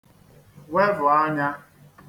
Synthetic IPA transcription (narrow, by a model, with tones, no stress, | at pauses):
we˦vʊ˨a˦ɲa˦